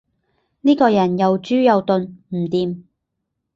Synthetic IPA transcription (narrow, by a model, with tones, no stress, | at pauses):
niː˥kɔː˧jɐ˨˩njɐ˨wt͡ʃyː˥jɐ˨˧wt̪ɵ˧nm̩˨˩t̪iː˨˧m